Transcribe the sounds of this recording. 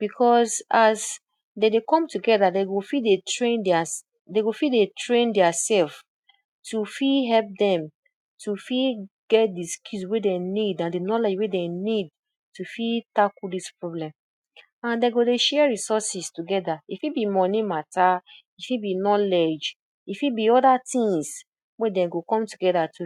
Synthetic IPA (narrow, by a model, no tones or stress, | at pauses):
b̥ikʰɔsaz | dedekɔ̃mtuɡɛðadeɡofidetɹẽndɛa | deɡofidetɹẽndɛasɛlf | tʰufiɦɛlp̚dɛ̃m | tʰufi | ɡɛt̚diskuswedenidãndenɔled͡ʒwedenid̚ | tufitakudispɹoblɛ̃m | ãndeɡodeʃɛɹisɔsistuɡɛdaifibimɔ̃nĩmata | ifibinɔlɛd͡ʒ | ifibiɔdatĩŋs | wedɛ̃ɡokɔ̃mtuɡɛdatʰu